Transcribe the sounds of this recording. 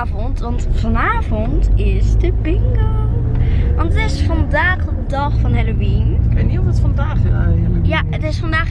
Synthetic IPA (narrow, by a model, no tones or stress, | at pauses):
vɔntʋɑntfɑnaːvɔntɪsdəbɪŋɡə | ʋɑntətɪsfɑndaːχəədɑχfɑnɦɛlowinkəjniɑɔlˠtɛtfɑndaːχdəɛ̰əəjaətɪsfɑndaːχ